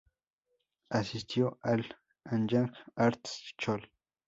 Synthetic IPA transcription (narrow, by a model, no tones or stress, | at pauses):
asist̪ʰjoʔal | ãnd͡ʒãŋkaɾt̪st͡ʃol